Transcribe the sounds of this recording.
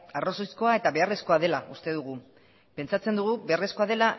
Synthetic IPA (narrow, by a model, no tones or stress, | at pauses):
aro̞sojsko̞ae̞t̪aβe̞are̞sko̞að̞e̞laʔust̪e̞ðuɣ̞u | pe̞nt͡sat͡send̪uɣ̞uβeare̞sko̞að̞e̞la